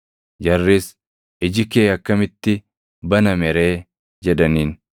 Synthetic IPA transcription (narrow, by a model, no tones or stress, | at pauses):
d͡ʒɐrːis | ɪd͡ʒɪkeːɐkːɐmɪt̪ːɪ | bɐnɐmɛɾe̞ː | d͡ʒɛd̪ɐniːn